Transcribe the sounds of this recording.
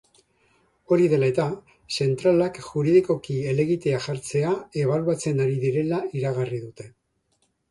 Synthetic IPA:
o̞ɾiðe̞lae̞t̪a | se̞nt̪ɾalakʝuɾiðiko̞kie̞le̞ɣit̪e̞aʝaɾt͡se̞ae̞β̞aluat͡se̞naɾiðiɾe̞laiɾaɣariðut̪e̞

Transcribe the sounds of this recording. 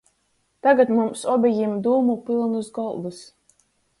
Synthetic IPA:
t̪aɡat̪mumsɔbʲɛjimd̪uːmupilˠnusɡɔlˠd̪us

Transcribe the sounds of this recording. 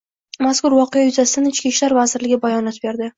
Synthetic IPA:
maskʊɾvɒqejajʊzasɪd̪anɪt͡ʃkʲiʃlaɾvazɪɾlɪɡʲabajɒnɒt̪be̞ɾd̪ɪ

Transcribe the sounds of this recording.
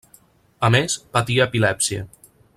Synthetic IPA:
amespat̪iaːpilɛpsiə̰

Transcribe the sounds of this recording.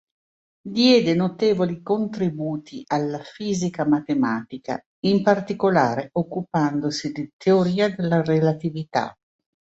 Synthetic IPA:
d̪jɛːd̪enot̪eːvolikont̪ɾibuːt̪ʰiʔalːafiːzikamat̪emaːt̪ika̰ | impart̪ikolaːɾeokːupand̪osid̪it̪ʰeoɾiːad̪elːarelat̪ivit̪a̰

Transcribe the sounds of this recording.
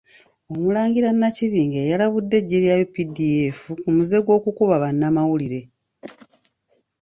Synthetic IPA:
o̞mulaːŋɡiɾanːaciβiːŋɡejalaβudːe̞ɟːeɾjajopidie̞fukumuze̞ɡwo̞ːkukuβaβanːamawuliɾe̞

